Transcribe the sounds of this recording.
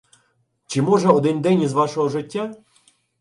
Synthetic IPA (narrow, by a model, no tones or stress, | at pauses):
t͡ʃɪmɔʐɛɔd̪ɛnʲd̪ɛnʲizʋɑʃɔɦɔʐɪtʲːa